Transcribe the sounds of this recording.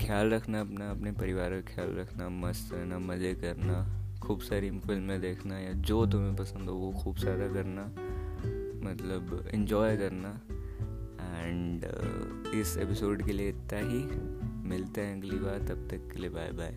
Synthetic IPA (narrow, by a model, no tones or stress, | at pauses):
kʰjaːlɾɐkʰnaɐpnaɐpnepɐɾɪʋaːɾkexʰjaːlɾɐkʰnamɐsɐɾnamɐzekɐɾnaxʰuːbsaːɾifɪlmːẽd̪eːkʰnajad͡ʒoːt̪ʊmẽpɐsə̃nd̪ɦoːɡoxuːbsaːɾakɐɾna | mɐt̪ləbɪ̰̃ɲd͡ʒɔːjkɐɾna | ɛ̃ɳɖ | ɪsḛːpɪsoːɖkelieɪt̪ːaɦimɪlt̪aɦɛ̃ɐɡlibaːɾt̪ɐb̚t̪ɐkːeliebaːjbʱaːj